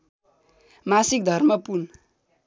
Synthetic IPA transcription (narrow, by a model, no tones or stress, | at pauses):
masik̚d̪ʱʌrmʌpun